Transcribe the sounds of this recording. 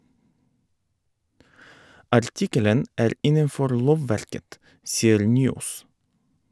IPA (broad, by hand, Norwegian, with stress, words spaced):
ɑɾˈtɪkələn ˈæːɾ ˈɪnənˌfɔɾ ˈloːʋˌʋæɾkət ˈsiːəɾ ˈnyːˌoːs